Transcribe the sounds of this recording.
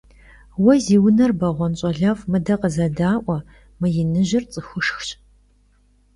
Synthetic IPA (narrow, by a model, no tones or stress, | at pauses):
wɐziːwnɐrbɐʁʷɔnɕʼɐɮɐfmɨdɐqəzɐdaːʔʷɔ | mɨjɪnɨʑɪrt͡sʼɨxʷʊʂxɕʼ